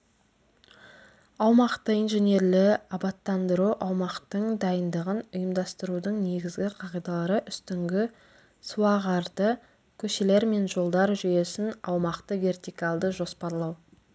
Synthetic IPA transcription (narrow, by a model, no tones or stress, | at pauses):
ɑwmɑqt̪əijnʒene̞ɾlɪɑbɑt̪ːɑnd̪əɾuʔɑwmɑqt̪əɴd̪ɑjənd̪əʁənʊjəmd̪ɑst̪əɾud̪əɴne̞ɡʲɪzɡʲɪqʰɑʁijd̪ɑlˠɑɾəʔʏst̪ɪŋɡʲɪ | suwɑʁɑɾd̪ə | kʲʰɵʃe̞le̞ɾme̞nʒo̞lˠd̪ɑɾʒʏje̞sɪnɑwmɑqt̪əve̞rt̪ijkalˠd̪əʒo̞spɑɾlˠɑw